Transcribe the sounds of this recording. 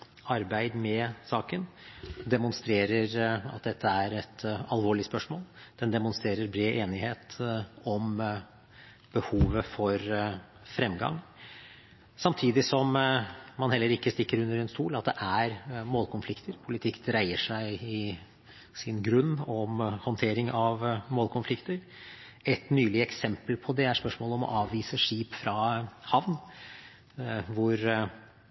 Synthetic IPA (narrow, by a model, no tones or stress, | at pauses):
ɑɾbæɪd̪mɛsɑːkən | d̪ɛmʊnst̪ɾeːɾəɾɑ̰t̪̚d̪ɛt̪ːəæɾɛt̪ɑlʋoːɭɪspœʂmoːld̪̥ɛnd̪ɛmʊnst̪ɾeːɾəɾbɾeːʔeːnɪheːt̪ɔm | b̥əhuːʋəfɔɾ | fɾɛmːɡɑ̰ŋ | sɑmt̪ʰiːd̪ɪsɔmmɑnhɛlːəɾɪkːəst̪ɪkːəɾʉnːəɾɛnst̪uːlɑt̪̚d̪ɛʔæɾmoːlkʰʊnflɪkt̪ʰəɾpʰʊlɪt̪ʰɪkːd̪ɾæɪəʂæɪɪ | sɪnɡɾʉnːɔmhɔnt̪ʰeːɾɪŋɑʋmoːlkʰʊnflɪkt̪əɾ | ɛt̪nyːlɪəɛksɛmpəlpʰɔd̪ɛæʂpœʂmoːlɔmɔ̰ʔɑːʋːiːsəʂiːpfɾɑhɑʋn | ʋʊɾ